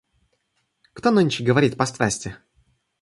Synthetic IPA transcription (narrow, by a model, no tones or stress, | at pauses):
kt̪onɨnʲt͡ɕɪɡəvɐɾʲit̪ʲpɐst̪ɾasʲtʲɪ